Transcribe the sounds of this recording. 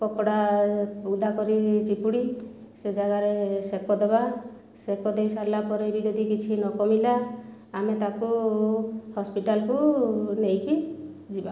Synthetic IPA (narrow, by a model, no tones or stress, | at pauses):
pɔpɔɽa | ud̪ʱakɔɾit͡ʃipuɽi | sed͡ʒaɡaɾesekɔd̪eba | sekɔd̪ejsalapɔɾebid͡ʒɔd̪ʱikit͡ʃʰinɔkɔmilaː | met̪aku | hɔspiʈalkunejki | d͡ʒiba